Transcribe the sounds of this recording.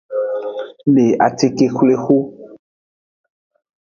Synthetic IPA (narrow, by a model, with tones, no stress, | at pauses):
le˨a˨t̪e˨ke˨xle˦xo˦